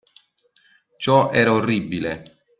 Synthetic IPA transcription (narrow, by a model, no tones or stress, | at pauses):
t͡ʃɔʔɛːɾaorːibːile